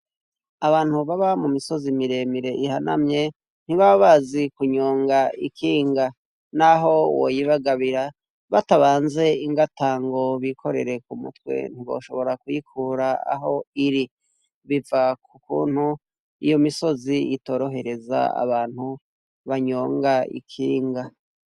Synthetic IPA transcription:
aβaːn̥huβaβamumiso̞zimiɾe̞ːmiɾe̞ʔihana̰mɲe̞ | n̥iβaβaβazikuɲo̞ːŋɡaikʰiːŋɡa | naɦo̞wo̰jiβaɡaβiɾa | βataβaːnze̞iŋɡataːŋɡo̞βikʰo̞ɾe̞̰ɾe̞kumṵtwe̞̰n̥iβo̞̰ːʃo̞βo̞ɾakujikʰuːɾaa̰ɦo̞iɾi | βivakukṵːn̥hu | ijo̞miso̞ziito̞ːɾo̞ɦe̞ɾe̞za̰a̰βaːn̥hu | βaɲo̞ːŋɡaḭkʰiːŋɡa

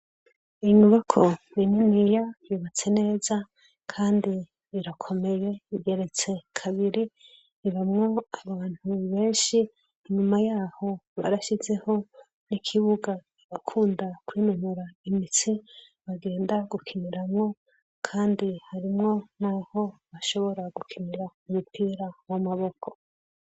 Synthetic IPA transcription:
iɲuβakʰo̞nininijajuːβat͡se̞ne̞ːza | kʰaːndi | iɾakʰo̞me̞je̞iɡe̞ɾe̞t͡se̞kʰaβiɾi | iβamŋo̞aβaːn̥huβe̞ːnʃiː | ɲumajaːho̞βa̰ɾaʃize̞ho̞ | nikʰiβuɡa | iβakʰuːndakwiːnumuɾaimit͡si | βaɡe̞ːndaɡukʰiniɾamŋo̞ | kʰaːndihaɾimŋo̞naho̞βaʃo̞βo̞ɾaɡukʰiniɾaumupiːɾawamaβo̞kʰo̞

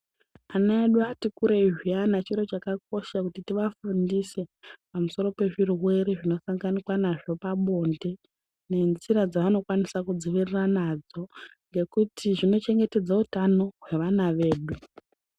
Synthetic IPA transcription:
anaeɗuatikuɾeiʐianat͡ʃiɾo̞t͡ʃakak̚o̞ʃakutitiʋafundise̞pamuso̞ɾo̞pe̞ʐirwe̞ɾiʐino̞saŋɡanikwanaʐo̞paɓo̞nde̞ | ne̞nziɾad͡zaʋano̞kwanisakud͡ziʋiriranad͡zo̞ŋɡe̞kutʰiʐino̞t͡ʃe̞ŋɡe̞te̞d͡zautano̞ɦwe̞ʋanaʋe̞ːɗu

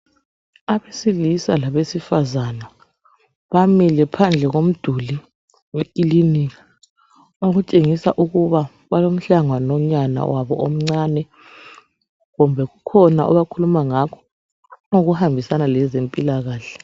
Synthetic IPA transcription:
aβesilisalaβesifazana | βamilɛpʰand͡ɮʱɛɣom̩d̥ʱuli | wekʼiliniɣa | oɣut͡ʃʼeŋisa̰ʔuɣuβa | βalom̩ɬaŋwanɔɲana̰waβɔ̰om̩ŋ͡ǀaːnɛ | ɣumbʱɛɣukʰɔnaʔɔ̰βakʰulumaŋakʰɔ̥ | uɣuhambʱisanalɛzempʼilaɣaːɬɛ̥

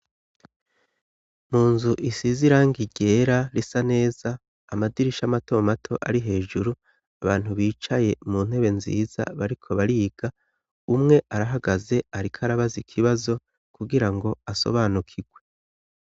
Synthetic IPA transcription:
muːnzuʔisiziɾaŋɡiɟe̞ːɾaɾisane̞ːz̥aː | madiɾiʃamato̞matʰo̞ʔaɾiɦe̞ːʒuɾu | aβaːn̥huβiːt͡ʃaje̞muːn̥he̞βe̞nzḭːz̥a̰βaɾikʰo̞βaɾiɡ̥a | umŋe̞ʔaɾaɦaɡaze̞aɾikʰaɾaβazikʰiβazo̞ | kuɡiɾaŋɡo̞aso̞̰βaːnukʰiɡwe̞

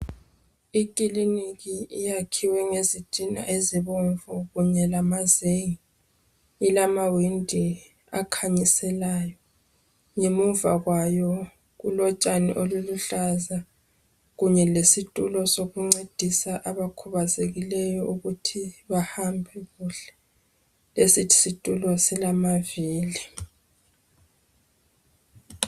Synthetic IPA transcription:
ikʼiliniɣiijakʰiwɛŋezitʼina̰ʔeziβɔɱvɔɣuɲɛlamazeji | ilamawindʱi | a̰kʰaɲisɛlaːjɔ | ɲemuva̰ɣwajɔ | ɣulɔt͡ʃʼanḭʔoluluɬaza | ɣuɲɛlesitʼulɔsoɣuŋ͡ǀed̥ʱisaʔaβakʰuβazeɣilɛjɔʔuɣutʰiβahambʱɛɣuɬɛ̥ | lesitʰi̥sitʼulɔsilamaviːli

